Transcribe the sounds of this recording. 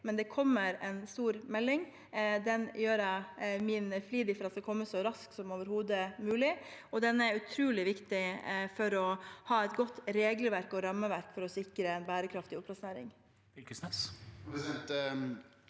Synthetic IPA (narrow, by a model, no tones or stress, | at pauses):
mɛnd̪ɛkʰɔmːəɾɛnst̪uːɾmɛlːɪŋ | d̪ɛnjøːɾæminfliːd̪ɪfɔɾɑt̪d̪ɛkʰɔmːəsɔɾɑsksɔmoːʋəɾhuːd̪əmʉːlɪɔd̪ɛnːæɾʉt̪ʰɾuːlɪʋɪkt̪ɪfɔɾɔhɑːɛt̪ɡɔt̪ːɾeːɡlʋæɾkɔɾɑmːəʋæɾkfɔɾɔsɪkɾəɛnbæːɾəkʰɾɑft̪ɪʊplɑsneːɾɪ̰ŋ | sɛssɛt̪